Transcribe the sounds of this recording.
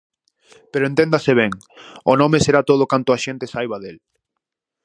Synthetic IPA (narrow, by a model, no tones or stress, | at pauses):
peɾoẽnt̪ẽnd̪aseβ̞eŋ | ʊnɔ̃meseɾat̪oð̞ʊkant̪ʊaʃent̪esajβaðel